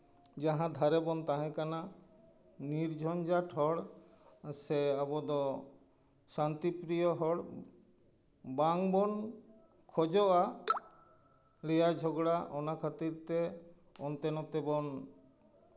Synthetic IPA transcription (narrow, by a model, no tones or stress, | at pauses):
d͡ʒaɦãd̪ʱaɾɛbɔnt̪aɦɛ̃kana | niɾd͡ʒʱɔnd͡ʒaʈʰɦɔɽ | seabɔd̪ɔ | sant̪ipɾijɔɦɔɽ | baŋbɔn | kʰɔd͡ʒɔʔa | lɛjad͡ʒʱɔɡɽaʔɔnakʰat̪iɾt̪e | ɔnt̪ɛnɔt̪ɛbɔn